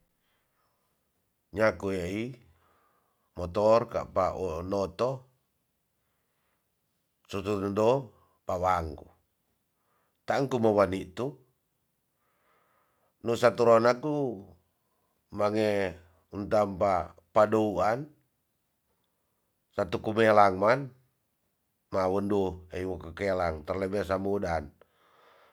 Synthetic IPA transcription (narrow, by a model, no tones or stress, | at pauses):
ɲakuei | mɔt̪ɔrka̰paʔonɔt̪ɔ | sut̪undɔ | pawaŋku | t̪aŋkumawaniʔt̪u | nusat̪uɾonaku | maŋe | unt̪ampapadouan | sat̪ukumelaŋman | mawəndueiwokəkelaŋt̪ərlebes̬amudan